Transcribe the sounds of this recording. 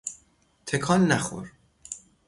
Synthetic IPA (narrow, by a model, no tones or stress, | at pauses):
t̪ʰekʰɒːnːæxo̰ɾ